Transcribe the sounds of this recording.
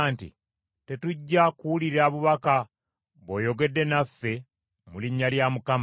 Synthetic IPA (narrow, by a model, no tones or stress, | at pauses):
ntḭ | te̞tuɟːakuwuliɾaːβuβaka | βoːjo̞ɡe̞dːe̞nafːe̞ | muliɲːaljamukam